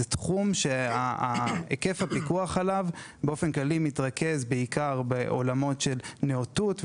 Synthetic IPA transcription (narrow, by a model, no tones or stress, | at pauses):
etχumʃe̞aaeke̞fhapikuaχalavbeo̞fe̞nklalimitʁakʰe̞zbeikaʁbeʔo̞̰lamo̞tʃe̞lneotut